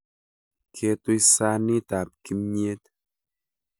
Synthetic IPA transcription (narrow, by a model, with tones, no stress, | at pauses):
kʰe˧t̪o˦i˦sa˦˧ni˦ta˨p̚ki˦mɲe˦t̪